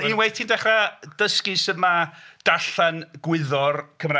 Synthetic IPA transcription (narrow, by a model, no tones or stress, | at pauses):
inwejtʰiːndɛχrad̥əskɨsɨðmad̥aɬanɡwɪðɔrkʰəmra